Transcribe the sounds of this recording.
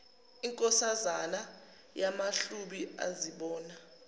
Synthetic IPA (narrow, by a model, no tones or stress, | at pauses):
iŋkʼɔsazana | jamaɬuɓia̰ziɓɔːna